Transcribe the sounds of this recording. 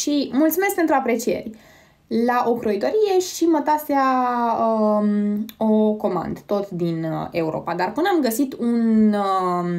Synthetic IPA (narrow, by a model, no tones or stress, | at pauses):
ʃimult̪sumesk̚pent̪ɾuapɾe̞t͡ʃije̞̰rʲ | laʔo̞kɾoit̪o̞ɾije̞ʃimət̪asaə | o̞ko̞ma̰nd̪ət̪o̞t̪d̪ine̞uɾo̞̰pad̪arpɨnəamɡəsit̪un